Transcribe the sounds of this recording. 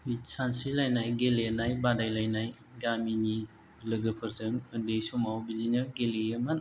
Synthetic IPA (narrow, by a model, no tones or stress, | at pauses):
ujsansilajnajɡelenajbadajlajnaj | ɡamini | lɯɡɯpʰɯɾzɯŋɯdejsumawbizinɯɡeleəman